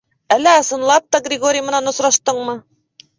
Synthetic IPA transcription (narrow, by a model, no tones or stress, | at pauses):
ælːæɑsɤ̆nlˠɑp̚t̪ɑɡrʲɪɡo̞ɾʲɪjəmɤ̆nɑnŏsɾɑʃt̪ɤɴmɤ